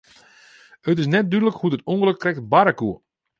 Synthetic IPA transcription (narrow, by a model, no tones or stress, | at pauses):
ətɪs̬nɛt̚dydələkhudətuŋɡəløk̚trɛk̚tbaɾakuə